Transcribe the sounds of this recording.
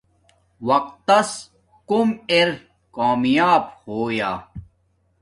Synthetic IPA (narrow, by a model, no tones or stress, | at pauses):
wɐqt̪ːɐs | kumeɾ | kaːmijaːbhoːjaː